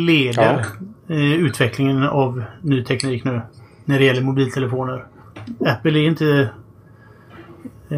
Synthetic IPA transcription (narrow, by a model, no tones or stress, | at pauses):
leːd̪əɾ | ʉ̟ːt̪vɛklɪŋənɑvnyːt̪ʰɛkniːknʉ̟ː | næɖɛɪjɛlːəɾmʊbiːlt̪ʰɛləfoːnəɾ | æpːəlæɾɪnt̪ə